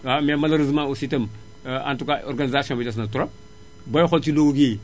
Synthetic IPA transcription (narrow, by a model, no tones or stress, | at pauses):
amemɐlɐɾizmãusitem | a̰ntukao̰ɾɡanizasiõmbitas̬nɐtuɾop̚ | bojxolt͡ʃiloɡuɡi